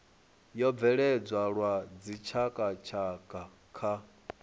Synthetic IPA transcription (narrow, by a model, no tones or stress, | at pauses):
jɔb̪vɛɺɛd͡zwaɺwad͡zit͡ʃʰakʼat͡ʃʰakʼa | kʰa